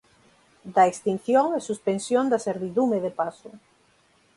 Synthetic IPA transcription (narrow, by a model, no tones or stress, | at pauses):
d̪aekst̪in̟θjoŋesuspensjõnd̪aseɾβiðumeðepasʊ